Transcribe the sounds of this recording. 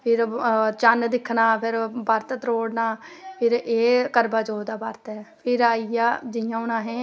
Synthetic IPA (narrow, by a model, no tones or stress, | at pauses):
pʰɪɾt͡ʃand̪ɪkʰːnaːpʰɪɾbaːɾt̪ət̪ɾoːɽnaːpʰɪɾeːkəɾbaːd͡ʒoːd̪aːbaːɾt̪ɛːpʰɪɾaːijaːd͡ʒɪjãːʊnãːɦɛ̃ː